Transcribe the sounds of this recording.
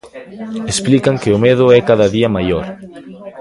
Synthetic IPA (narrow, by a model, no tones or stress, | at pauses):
esplikaŋkɪʊmeðʊɛkaðɐðiɐmajoɾ